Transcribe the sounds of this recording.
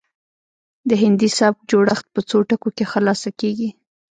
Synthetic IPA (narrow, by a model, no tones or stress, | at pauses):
d̪əɦɪnd̪isab̚d͡ʒoɽaxt̪̚pət͡soʈakokexəlɑsakeɡi